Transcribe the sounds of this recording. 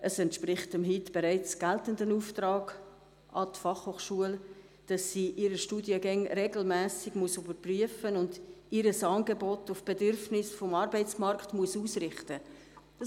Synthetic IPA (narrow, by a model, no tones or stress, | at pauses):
ʔəsɛntʃprɪχtəmɦitb̥eɾæɪt͡sɡ̥æltəndənuːftrɑːɡ | ʔɑtfɑχhoːχʃuəl | d̥ɑsːiːʔiɾəʃtuːdjəɡɛŋɾeɡl̩mɛːsɪɡ̥muəsybəɾpryəfənʊndiɾəsɑːnɡebɔtʊfb̥edʏrfnɪsfɔmɑːɾbɛɪt͡smɑrktmuəsuːsrɪχtə | d̥ɑ